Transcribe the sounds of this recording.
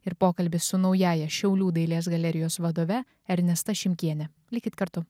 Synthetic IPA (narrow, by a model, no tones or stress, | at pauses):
ɪɾpoːkɐlʲbʲɪsʊnɒʊjæːjɛʃʲɛʊlʲuːd̪ɐɪlʲiɛːsɡɐlʲɛɾʲɪjoːsʋɐd̪oːʋʲɛ | ɐɾʲnʲɛst̪ɐʃʲɪmʲkʲiɛnʲɛ | lʲɪkʲɪt̪kɐɾt̪ʊ